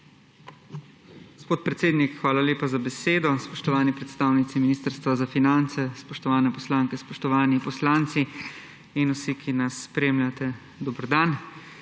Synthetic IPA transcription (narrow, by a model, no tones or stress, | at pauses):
ɡɡospoːt̪̚pɾɛt̪seːd̪nikxʋaːlaleːpazabɛseːd̪ɔspɔʃt̪ɔʋaːnipɾɛt̪st̪aːwnit̪siminiːst̪əɾst̪ʋazafinant̪sɛspɔʃt̪ɔʋaːnɛpɔslaːŋkɛspɔʃt̪ɔʋaːnipɔslaːnt̪si | inusikʰinasːpɾeːmlʲjat̪ɛ | d̪ɔbɾɔd̪an